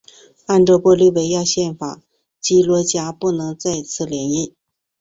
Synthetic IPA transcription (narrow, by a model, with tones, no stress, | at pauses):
a˥˧nʈ͡ʂɤ˥˧˩pwɔ˥˧ly˥˩we˧˥ɪja˥˧ɕjɛ˥˩nfa̰˨˩˦ | t͡ɕi˥lwɔ˧˥t͡ɕja˥pu˥˩nɤ˧˥ŋt͡sa˥˧ɪt͡sʰɹ̩˥˩ljɛ˧˥ni˥˩n